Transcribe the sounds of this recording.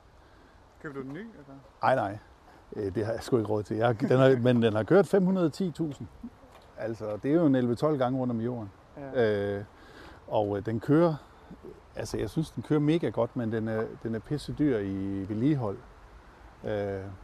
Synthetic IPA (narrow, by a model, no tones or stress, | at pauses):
kʰ | nɑ̈ɪ̰nɑ̈ɪ̰ | d̥e̝hɑ̈jsɡ̥ue̝ɡəʁɔːð̞̩̰ˠt͡sʰe̝jɑ̈d̥enɑ̈mend̥enhɑ̈kʰøːɐ̰d̥fem̰hunɐð̞ˠt͡sʰḭːt͡sʰṵːsn̩ | æl̰sɒd̥e̝æɐjoe̝nelʋət͡sʰɒ̽l̰ɡ̥ɑ̈ŋəʁɔ̽n̰d̥ɒ̽mjo̝̰ːɐn | ø | ɒ̽ʊd̥enkʰøːɐ | ælsəjɑ̈ɪsynsd̥enkʰøːɐme̝ːɡ̥æɡ̥ɒ̽d̥mend̥enæɐd̥enæɐpʰe̝səd̥yɐ̰iʋe̝liːɦɒ̽l̰ | ø